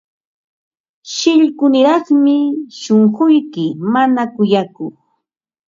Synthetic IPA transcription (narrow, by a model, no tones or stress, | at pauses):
ʃɪʎkʊnɪɾɑχmɪʃoŋɢʊjkɪmanakʊjakʊχ